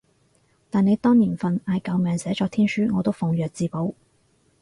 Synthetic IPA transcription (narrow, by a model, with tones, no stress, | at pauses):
t̪aː˨ne˨˧jt̪ɔː˥ŋniː˨˩nfɐ˨naː˨˧jkɐ˨˧wmɛː˨ŋsɛː˨˥t͡ʃɔː˧kt̪ʰiː˥nsyː˥ŋɔː˨˧t̪o˥wfʊ˨˩ŋjœː˨k̚t͡siː˨˧po˨˥w